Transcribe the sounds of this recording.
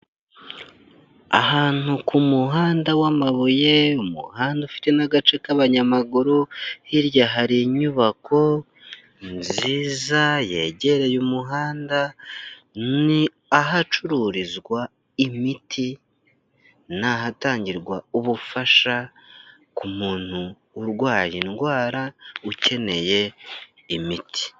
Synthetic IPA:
a̰ɦaːn̥ukʰumuɦaːndawamaβuje̞umṵhaːndaufi̥te̞naɡat͡ʃe̞kaβaɲamaɡuɾohiɾjaɦaɾiɲuβakʰo̞ | nziːzaje̞̰ɟe̞ɾe̞jumuɦaːnda | ni | aɦat͡ʃuɾuɾizɡwa | imitʰi | naɦataːɲɟiɾɡwauβufaʃa | kumuːn̥huː | ɾɡwaːjinɡwaːɾauce̞ne̞je̞ | imitʰi̥

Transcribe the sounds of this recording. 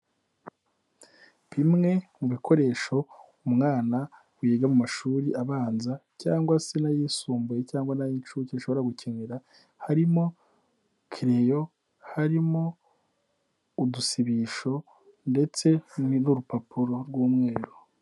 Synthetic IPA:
βimŋe̞muβikʰo̞ɾe̞ːʃo̞ | umŋaːna | wijeɡamumaʃuːɾiʔaβaːnzacaːŋɡwasenajiːsuːmbuje̞caːŋɡwanajit͡ʃucenʃoβo̞ɾaɡucʰeneɾa | haɾimo̞ | kʰiɾe̞jo̞ | haɾimo̞ | udusiβiʃo̞ | nde̞t͡se̞nuɾupapuɾoɾɡwuːmŋe̞ːɾo

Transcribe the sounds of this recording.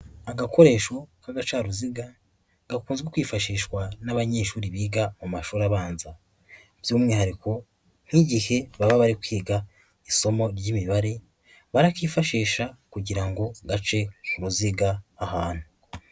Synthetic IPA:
aɡakʰo̞ɾe̞ʃo̞kaɡat͡ʃaɾuziɡa | ɡ̥akuːnzɡwekwiːfaʃiːʃwanaβaɲe̞ːʃuːɾiβiːɡamomaʃuːɾaβaːnza | v̥juːmŋiːhaɾikʰo | n̥hiɟihe̞βaβaβaɾikwiːɡa | iso̞mo̞ɾjimiβaɾe | βaɾakiːfaʃiːʃakuɟiɾaŋɡo̞ɡat͡ʃe̞kuɾuziɡaːhaːn̥hu

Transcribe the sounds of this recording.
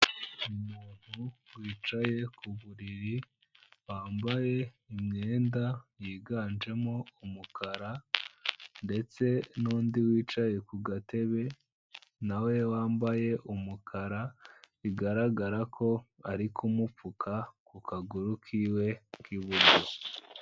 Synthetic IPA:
umuːn̥huwiːt͡ʃaje̞kuβuɾiɾi | waːmbaje̞ | imɲeːndajiːɡaːnd͡ʒe̞moumukaɾa | nde̞t͡se̞nuːndiwiːt͡ʃaje̞kuɡate̞βe̞ | nawe̞waːmbaje̞ʔumukʰaɾa | iɡaɾaɡaɾakʰo̞aɾikʰumufukʰakukaɡuɾukʰiwe̞kiβuɾɟo̞

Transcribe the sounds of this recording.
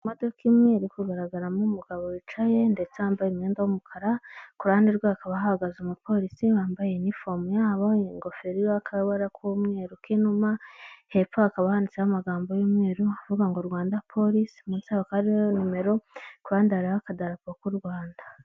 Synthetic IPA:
modokimŋeɾukuɡaɾaɡaɾamumuɡaβo̞it͡ʃaje̞nde̞t͡seambajemŋeːndawumukʰaɾakuɾaːndiɾɡweakaβaɦahaɡazumupʰo̞ɾisiβaːmbajenifomujaːβoŋɡo̞feɾioakʰawaɾakumŋeːɾukinumahe̞pfoakaβahanit͡sehamaɡaːmbojimŋeːɾuavuɡaŋɡoɾɡwaːndapʰo̞ɾisi̥munsaβakaɾionime̞ɾo̞kuɾaːndaɾahakadaɾakokuɾɡwaːnda

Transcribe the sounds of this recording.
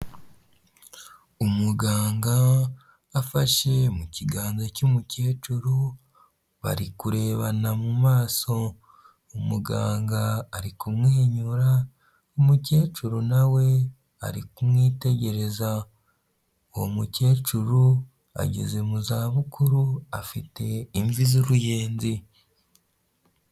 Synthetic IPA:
umuɡaːŋɡaː | faʃe̞muciɡaːnzocumuce̞ːt͡ʃuɾu | βa̰ɾikuɾe̞ːβanamumaːso̞ | umuɡa̰ːŋɡaːɾikumŋeːɲuɾa | omuce̞ːt͡ʃuɾunawe̞ | a̰ɾikumŋiːte̞ɟe̞ɾe̞za | wo̰muce̞ːt͡ʃuɾu | a̰ɟeze̞muzaːβukuɾuafite̞iɱvizuɾujeːnzi

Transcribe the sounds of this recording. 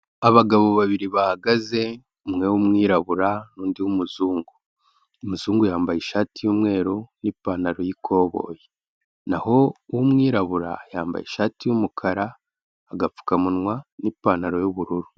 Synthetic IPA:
aβaɡaβo̞βaβiɾiβahaɡaze̞ | umŋe̞wumŋiːɾaβuɾanuːndihumuzuːŋɡu | muzuːŋɡujaːmbajiʃaːtijuːmŋe̞ːɾunipaːnaɾojikʰo̞ːβo̞̰ːje | naɦo̞wumŋiːɾaβuɾa̰jaːmba̰jḭʃaːtijumukʰaɾaː | ɡafu̥kamunŋwanipaːnaɾo̞juβuɾuɾu

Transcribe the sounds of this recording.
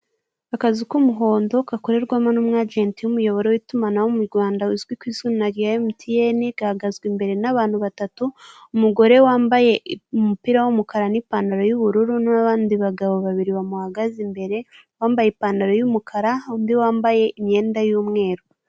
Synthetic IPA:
akazikumuɦo̞ːndo̞kakoɾe̞ɾɡwaːmanumŋad͡ʒeːntijumujo̞βo̞ɾewitumanawomuɾɡwaːndawizɡwikwiːzɡunnaɡiajemutʰijeniɡ̥ahaɡazɡwimbe̞ɾe̞naβaːn̥huβatatuumuɡo̞ɾe̞waːmbaje̞umupiɾawomukaɾanipaːndaɾo̞juβuɾuɾunaβaːndiβaɡaβo̞βaβiɾiβamuhaɡazimbe̞ɾe̞ | waːmbajepaːndaɾo̞jumukʰaɾaundiwaːmbaje̞ʔimɲe̞ːndajuːmŋe̞ːɾo

